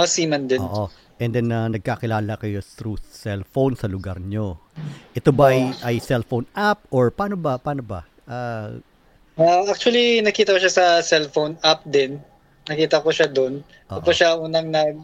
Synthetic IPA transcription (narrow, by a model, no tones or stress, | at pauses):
ɐsiːmɐnd̪ɪo̰ʔo | ʔɛnd̪ɛnɐnɐɡ̚kakɪlaːlɐkɐjo̞t̪ɾusɛlfownsɐlʊɡa̰ɾɲo̞ʔɛt̪o̞bɐʔɐjʔɐjsɛlfownʔap̚ʔoɹpaːno̞bɐpaːno̞bɐ̰ | ʔa | aʔak̚t͡ʃʊɐlinɐkiːt̪ɐkoʃasɐsɛlfownap̚d̪ɪnː | nɐkiːt̪ɐkoʃad̪on | pʔo̰ɐʔpɐʃaʔuːnɐŋnɐɡ̚